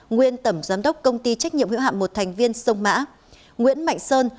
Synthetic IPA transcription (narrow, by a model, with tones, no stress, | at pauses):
ŋwi˧ənt̪ə˧˩mzaː˨˦mɗə˦˥wk͡p̚kə˧wŋ͡mt̪i˧t͡ɕa˦˥k̟̚ɲḭ˧əmhḭ˧˥ha̰ː˧˨mo˨˩t̚t̪ʰɛ˨˩jŋ̟vi˧ənsə˧wŋ͡mma̰ː˧˥ | ŋwḭ˧˥ənma̰˧˨jŋ̟səː˧n